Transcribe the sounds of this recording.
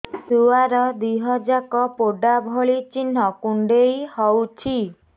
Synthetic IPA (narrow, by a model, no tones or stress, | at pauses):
suaɾɔd̪iɦɔd͡ʒakɔpoɖabʱɔɭit͡ʃin̤ɔkuɳɖejhɔwt͡ʃʰi